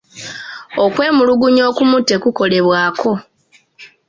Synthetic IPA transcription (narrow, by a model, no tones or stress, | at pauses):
okwe̞ːmuluɡuɲo̞ːkumutːe̞kuko̞le̞βwaːkʰo̞